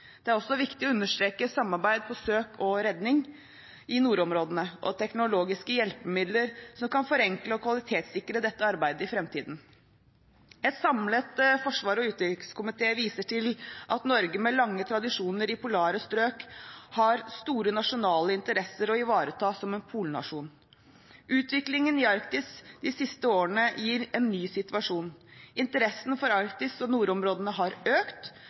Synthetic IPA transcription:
d̪ɛæɾɔsːɔʋɪkt̪ɪɔʉnːəʂʈ̪ɾeːkəsɑmːɑɾbæɪd̪̚pʰɔsøːkʰɔɾɛd̪nɪŋ | ɪnuːɾɔmɾoːd̪ənəʔɔ̰t̪ʰɛknʊloːɡɪskəjɛlpəmɪd̪ləɾsɔmkɑnfɔɾɛŋkləɔkʰʋɑlɪt̪ʰeːt̪sɪkɾəd̪ɛt̪ːəɑɾbæɪd̪əɪfɾɛmt̪ʰiːd̪n̩ | ɛt̪sɑmlət̪fɔʂʋɑːɾɔʉːt̪ɪkskʊmɪt̪ʰeːʋiːsəʈɪlʔɑt̪nɔɾɡəmɛlɑŋːət̪ʰɾɑd̪ɪʂuːnəɾɪpʰʊlɑːɾəst̪ɾøːkhɑɾst̪uːɾənɑʂʊnɑːləɪnt̪əɾɛsːəɾɔɪʋɑːɾət̪ʰɑːsɔmɛnpʰuːlnɑ̰ʂuːn | ʔʉːt̪ʋɪklɪŋənɪɑɾkt̪ɪsd̪ɪsɪst̪əoːəɳəjiːɾɛnːyːsɪt̪ʉɑʂuːnɪnt̪əɾɛsnfɔɾɑɾkt̪ɪsɔnuːɾɔmɾoːd̪ənəɦɑɾøːkt̪

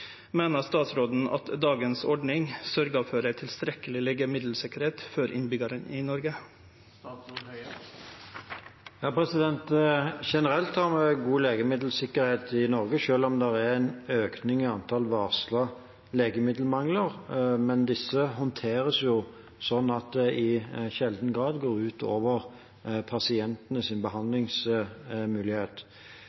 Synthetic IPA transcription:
meːnəst̪ɑːt̪sɾoːd̪n̩ɑ̰t̪d̪ɑːɡənsɔɖnɪŋsœɾɡəfɔɖæɪt̪ʰɪlst̪ɾɛkəlɪleːɡəmɪd̪l̩sɪkːəɾheːt̪fɔɾʔɪ̰nbʏɡɑɾənɪnɔɾɡə | jɑːpʰɾɛsɪd̪ɛnt̪ʃɛnəɾɛlt̪hɑʁmɛɡuːleːɡəmɪd̪l̩sɪkːəɾheːt̪ɪnɔɾɡəʃøːlɔmd̪ɛʁæɛɾɛnøːknɪŋɪɑnt̪ʰɑlʋɑːʁslɑ | leːɡəmɪd̪l̩mɑŋləʁmɛnd̪ɪsːəɦɔnt̪ʰeːɾəsjʊ | sɔnːɑt̪̚d̪ɛʔɪʃɛld̪n̩ɡɾɑːd̪ɡoːʁʉːt̪ʰoːʋəʁ | pʰɑsɪɛnt̪ənəsɪnbəhɑnd̪lɪŋs | mʉːlɪheːt̪

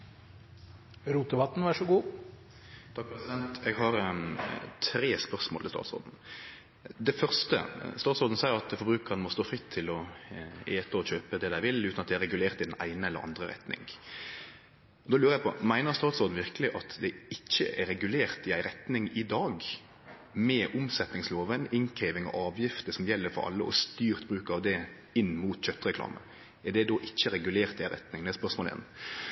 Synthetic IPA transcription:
ɾuːt̪əʋɑt̪n̩ʋɑʂɔɡuː | t̪ʰɑk̚pʰɾɛsɪd̪ɛnt̪ɛɡɦɑɾ | t̪ʰɾeːspœʁsmo̰lɪ̰st̪ɑ̰t̪so̰ːd̪n̩ | d̪ɛfœʁst̪ə̰st̪ɑːt̪sɔːd̪n̩sæɪəɾɑt̪d̪ɛfɔɾbɾʉːkəʁənmɔst̪oːfʁɪt̪ʰːɪlɔʔeːt̪əɔçøːpəd̪ɛd̪æɪʋɪlʉːt̪nɑt̪d̪ɛɾɛɡʉleːʁt̪ɪd̪ɛnæ̰ɪnəɛlːəɾʔɑ̰nd̪ʁəɾɛ̰t̪nɪ̰ŋ | ɔd̪ɔlʉːɾəjæɪpʰɔmæɪnəɾst̪ɑːt̪sɔːd̪n̩ʋɪɾkəlɪʔɑt̪d̪ɛɪçːəʔɛɾɛɡʉleːɾt̪ɪæɪɾɛt̪nɪŋɪd̪ɑːɡ | mɛʔʊmsɛt̪nɪŋsloːʋənɪŋkʰeːʋɪŋɔ̰ʔɑːʋjɪft̪əsɔmjɛlːəɾfɔ̰ɾɑ̰lːəʔɔ̰st̪yːɾt̪bɾʉːkɑʋd̪ɛ | ɪnːmuːt̪çœt̪ːɾɛkʰlɑ̰ːmə̰ | ɛd̪ɛd̪oːʔɪçːəɾɛɡʉleːɾt̪ɪæɪɾɛ̰t̪nɪŋnæspœʂmoːlɛ̰n

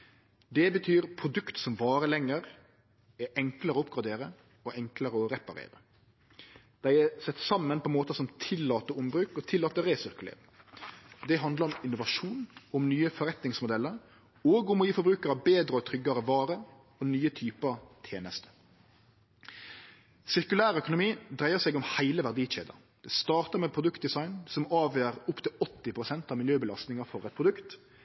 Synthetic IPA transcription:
d̪ɛbət̪ʰyːɾpʰɾʊd̪ʉkt̪sɔmʋɑːɾəlɛŋːəɾ | ɛʔɛŋkləɾəɔʊpɡɾɑd̪eːɾə | ɔʔɛŋkləɾəɔɾɛpɑɾḛːɾə | d̪̥æɪɛsɛt̪ːsɑmːənpʰɔmoːt̪əsɔmt̪ʰɪlːɑːt̪əɾʊmbɾʉːkɔt̪ʰɪlɑːt̪əɾeːsʏɾkʉlḛːɾɪŋ | d̪ɛɦɑnd̪ləɾɔmɪnːʊʋɑʂuːnʊmnyːəfɔɾɛt̪nɪŋsmʊd̪ɛlːəɾ | oːɡʊmɔjiːfɔɾbɾʉːkəɾɑʋbeːd̪ɾəɔt̪ʰɾʏɡːɑɾəʋɑːɾə | ɔnyːət̪ʰyːpət̪ʰjeːnəst̪ə̥ | sɪʁkʉlæːɾœkʊnʊmiːd̪ʁæɪəʁsɛɡɔmhæɪləʋæʁd̪iːt͡ʃḛːd̪ɑ̰ | d̪̥ɛst̪ɑːʁt̪əʁmɛpʰɾʊd̪ʉkt̪̚d̪ɪsɑɪnsɔmɑːʋjøːɾʊpt̪ʰɪlɔt̪ːɪpʰʁʊsɛnt̪ɑʋmɪljøːbəlɑst̪nɪŋɑfɔɾɛt̪̚pʰʁʊd̪ʉkt̪

